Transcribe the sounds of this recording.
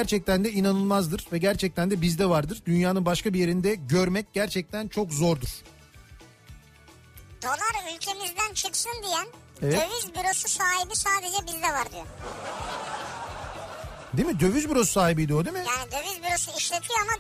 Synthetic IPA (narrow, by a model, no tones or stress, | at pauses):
æɾt͡ʃʰɛc̚t̪ʰænd̪ɛinanɯlˠmazd̪ɯɾvɛɟæɾt͡ʃʰɛc̚t̪ʰænd̪ɛbizd̪ɛvaɾd̪ɯɾd̪ynjaːnɯnbaʃkabije̞ɾind̪ɛɟøɾmɛc̚ɟæɾt͡ʃʰɛc̚t̪ʰænt͡ʃʰo̞kzo̞ɾd̪uɾ̥ | d̪̥o̞lˠaɾylʲcʰe̞mizd̪ænt͡ʃʰɯksɯnd̪ijæn | evɛøvyzbiɾo̞susaːɦibisaːd̪e̞d͡ʒɛbizd̪ɛvaɾd̪yjo | d̪imid̪ø̞vyzbiɾo̞su̥saːhibijd̪ijod̪imijaːnid̪øvyzbyɾo̞suiʃlʲe̞t̪ʰijoama